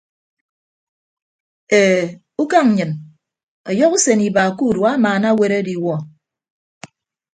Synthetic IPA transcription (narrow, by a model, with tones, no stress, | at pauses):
e˨ | u˦ka˦ŋ̩˨ɲɨ˨n | ɔ˨jɔ˦ku˦se˨ni˨ba˨ku˦˨dwa˦maː˨na˦we˦ɾe˦di˨wɔ˦